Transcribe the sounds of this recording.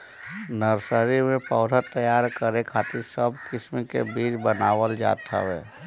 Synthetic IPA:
nəɾsəɾimẽpɔːɾʱat̪əjaːɾkəɾekʰaːt̪ɪɾsəbkɪsmikḛbiːd͡ʒbənaːwəld͡ʒa̰ːt̪ʰa̰ʋɛ̰ː

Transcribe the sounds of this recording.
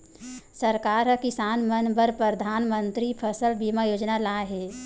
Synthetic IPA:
səɾkaːɾɦəkɪsaːnmənbəɾpɾəd̪ʱaːnmənt̪ɾipʰəsəlbimajoːd͡ʒnalaɦɛː

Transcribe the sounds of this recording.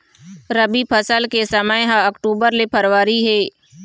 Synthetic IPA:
ɾəbipʰəsəlkesɐməjɦãɐkʈuːbəɾlepʰəɾwaːɾiɦɛː

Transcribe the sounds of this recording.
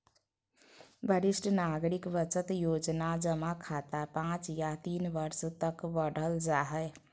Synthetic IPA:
bəɾisʈnaɡɾikbət͡ʃət̪jod͡ʒnad͡ʒəmakʰat̪apãt͡ʃjat̪inʋəɾst̪əkbəɽ̤ʱəld͡ʒaɦəj

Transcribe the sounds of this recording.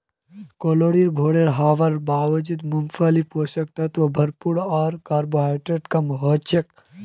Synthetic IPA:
koːloːɽiɾbʱoːɽeɾɦaːʋɐɾbaːʋɐd͡ʒid̪mumfʰalipɦoːsɐk̚t̪ɐt̪ʋɐbʱɐɾpuɽɔːɾkaːɾboɦaːjʈeɖkamɐɦɔt̪t͡ʃʰek̚

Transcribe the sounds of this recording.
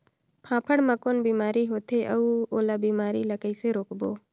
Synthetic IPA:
pʰãːpʰəɽməkoːnbiːmaːɾiɦoːt̪ʰeʔɐuoːlabiːmaːɾiləkəiseɾoːkboː

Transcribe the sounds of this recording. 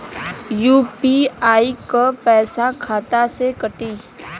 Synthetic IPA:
juːpiːaːikəpɛːsãkʰaːt̪asekəʈiː

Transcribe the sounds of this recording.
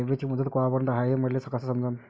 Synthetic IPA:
eʋet͡ɕiːməd̪ət̪koapənd̪aɦaɦem̤əɽlesəkasasəmd͡zən

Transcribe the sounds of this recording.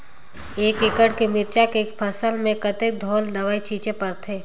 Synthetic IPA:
eːkekəɽkemɪɾt͡ʃakeːkpʰəsəlmẽkət̪ek̚d̪ʱoːld̪ɐʋaːit͡ʃʰiːt͡ʃepɐɾt̪ʰeː

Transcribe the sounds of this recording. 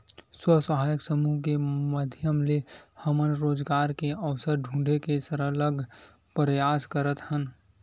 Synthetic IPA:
swəsəɦaːjəksəmuːɦkeməd̪ʱjəmlehəmənɾoːd͡ʒɡaːɾkeəʋsəɾɖʱũːɖekesəɾələɡʱ | pɾəjaːskəɾət̪hən

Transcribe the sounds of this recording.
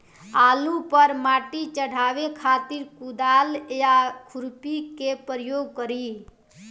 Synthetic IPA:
alupəɾmaʈit͡ʃəɽ̤ʱabekʰat̪iɾkud̪aljakʰuɾpikepɾəjoɡ̚kəɾi

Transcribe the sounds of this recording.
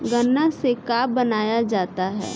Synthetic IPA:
ɡɐnːasekaːbbɐnaːjad͡ʒaːt̪aɦɛ̰ː

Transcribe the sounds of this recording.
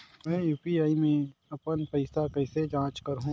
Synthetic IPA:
mɛ̃ːjuːpiaːimẽɐpənpɐɪsakɐɪsed͡ʒãːt͡ʃkɐɾɦũː

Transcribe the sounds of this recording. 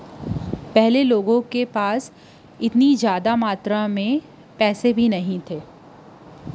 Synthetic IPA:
pɛɦleloːɡõkepaːs | ɪt̪nizjaːd̪amaːt̪ɾamẽ | pɛːsebʱinɐɦĩt̪ʰeː

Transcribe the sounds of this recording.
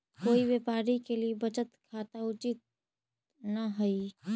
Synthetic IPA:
koːiwepaːɾikeliebət͡ʃət̪kʰaːt̪aʊt͡ʃit̪̚ | naɦəi

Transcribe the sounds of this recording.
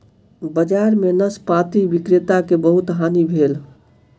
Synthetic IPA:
bəd͡ʒaɾmenəspat̪iʋikɾɪt̪akebəɦut̪ɦanibʱeːl

